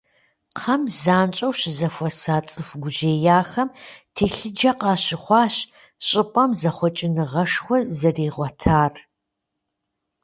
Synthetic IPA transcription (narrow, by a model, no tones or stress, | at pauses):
qʰɐmzaːnt͡ʃʼɐwɕɪzɐfʷɔsaːt͡sʼɨfɡʷʊʑeːjaːxɐmtʰeːɬɨd͡ʒɐqɑːɕɪχʷɑːɕ | ɕʼɪpʼɐmzɐχʷɔt͡ʃʼɪnɨʁɐʂxʷɔzɐriːʁʷɔtʰaːr